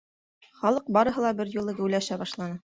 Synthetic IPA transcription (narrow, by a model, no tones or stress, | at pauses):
χɑlˠɤq̚bɑɾɤ̆ɦɤ̆lˠɑbɘɾjŭlˠɤɡɘ̆wlæʃæbɑʃlˠɑnɤ